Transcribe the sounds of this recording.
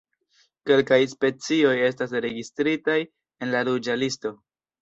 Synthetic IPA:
ke̞lkajspe̞t͡sio̞je̞stas̬ɾe̞ɡistɾitaj | e̞nlaɾud͡ʒalisto̞

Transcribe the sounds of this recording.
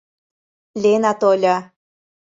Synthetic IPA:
lʲenat̪olʲɑ

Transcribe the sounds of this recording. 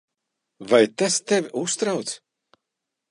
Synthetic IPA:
vajt̪ast̪evʲiʔust̪ɾawt̪s

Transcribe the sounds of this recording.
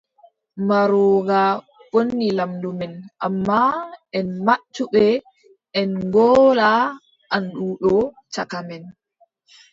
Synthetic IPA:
maɾɔːɡa | wonːilamdumɛnʔamːaʔɛnmat͡ʃːuɓɛ | ʔɛnɡɔːla | ʔanɗuːɗɔt͡ʃakamɛn

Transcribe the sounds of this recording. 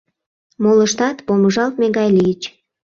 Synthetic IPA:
moləʃt̪ɑt̪poməʒɑlt̪̚meɡɑjliət͡ɕ

